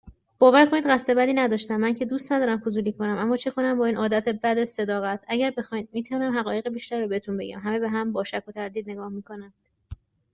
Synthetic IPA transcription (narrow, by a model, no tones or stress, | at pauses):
b̥ɒːvæɾkʰo̞niːd̪ɣæst̪e̞bæd̪iːnæd̪ɒːʃt̪æmːæncʰe̞d̪uːst̪næd̪ɒːɾæmkozuːliːkʰonæmʔæmːɒːt͡ʃʰe̞kʰo̞næmbɒːiːnʔɒːd̪æt̪ʰe̞bæd̪ese̞d̪ɒːɣæt̪ʰæɟæɾbe̞xɒːjmiːt̪ʰænæmɦæɣɒːje̞ɣebiːʃt̪æɾiɾɒːbehet̪ʰunbeɟæ̰mɦæme̞be̞ɦæmbɒːʃækot̪ʰæɾd̪iːd̪̚ne̞ɡɒːhmiːkʰo̞næn